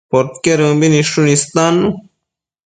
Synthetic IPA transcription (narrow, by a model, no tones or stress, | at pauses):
poɾt̪keɾũbiniʂunist̪aːnːu